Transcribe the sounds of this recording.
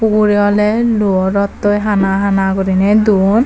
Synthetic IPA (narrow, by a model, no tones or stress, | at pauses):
uɡuɾiɔlɛluɔɾɔt̪ːojɦanaɦanakoɾinɛd̪un